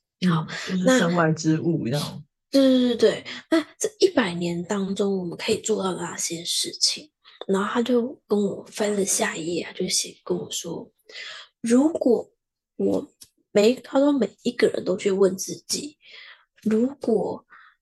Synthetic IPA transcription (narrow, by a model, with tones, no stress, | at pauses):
ɑ˨˩˦na˥˧ə˥˧ŋwa˧˥ɪʈ͡ʂɻ̩˥u˥˩jɑ˥˩ | t̩˥˧˥t̪we˥˩ɪna˥˧t͡sa˥˩ɪʔi˥˩pa˨˩ɪnjɛ˧˥nt̪ɑ˥ŋʈ͡ʂo˥ŋwɔ˨˩mə˦nkʰɤ˧˥i˨˩t͡swɔ˥˧t̪ɑ˥˩ʊna˥˩ɕjɛ˥ʂɻ̩˥˩t͡ɕʰi˨˩ŋna˨˧˥nxo˥˩ʊt̪ʰa˥t͡ɕjo˥˩ʊkə˦˥nwɔ˨˩fə˥nlə˨ɕja˥˧jɛ˥˩a˨t͡ɕjo˥˩ʊɕɛ˨˩kə˥nwɔ˨˩ʂwɔ˥ | ɻu˧˥kwɔ˨˩ | wɔ˨˩ | me˧˩ɪt̪ʰa˥ʂwɔ˥me˨˩ɪi˧˥ɡə˨ɻə̰˧˦nt̪o˥ʊt͡ɕʰy˥˧wə˥˧nt͡sɹ̩˥˩t͡ɕi˨˩˦ | ɻu˧˥kwɔ˨˩